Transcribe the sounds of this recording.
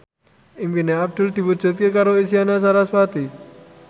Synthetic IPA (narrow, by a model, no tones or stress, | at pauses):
impineap̚ʈulʈ̪ibut͡ʃət̪̚kekaɾois̬ijanas̬aɾaswat̪i